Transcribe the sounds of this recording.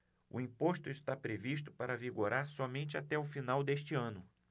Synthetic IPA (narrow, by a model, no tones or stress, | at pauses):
ʊ̰ĩpost̪ʊɪst̪apɾevist̪ʊ̥paɾɐviɡoɾaɾsɔmẽnt͡ʃɪat̪ɛʊfinawd̪est͡ʃɪɐ̃nʊ